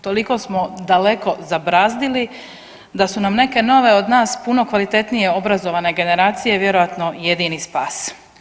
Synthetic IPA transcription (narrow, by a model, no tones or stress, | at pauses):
t̪o̞liko̞smo̞d̪aleko̞zabɾaːzd̪ili | d̪asunamne̞ke̞no̞ʋe̞od̪naːspuno̞kʋalit̪e̞t̪nije̞o̞bɾazo̞ʋane̞ɡe̞ne̞ɾaːt̪sije̞ʋje̞ɾo̞ʋat̪no̞jed̪inispaːs